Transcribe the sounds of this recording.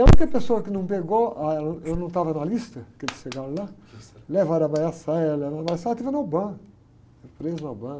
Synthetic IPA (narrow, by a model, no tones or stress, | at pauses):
ɐ̃k̪ɐpesoɐkɪnɐ̃w̃peɡoanewnɐ̃w̃t̪avɐnɐlist̪ɐkelsʃeɡaɾla | levaɾɐbajasalɛvaɾɐbajasat̪ivɐnobɐ̃ | pɾeznɐbɐ̃